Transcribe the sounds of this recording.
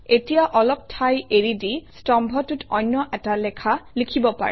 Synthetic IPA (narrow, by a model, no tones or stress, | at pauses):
etijaʔɔlɔp̚tʰajeɹidistɔmbʱɔtutɔjnːɔʔɛtalɛkʰalikʰibɔpa̰ɹɛ